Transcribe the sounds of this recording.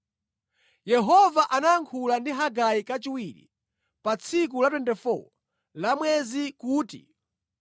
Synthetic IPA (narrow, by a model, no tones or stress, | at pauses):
jɛɦɔvaʔanaːŋkʰulandiɦaɡajikat͡ʃiwiɾḭ | pat͡sʰik̬ulat̬wɛntɛfɔ̰ | lamwɛzikuːtḭ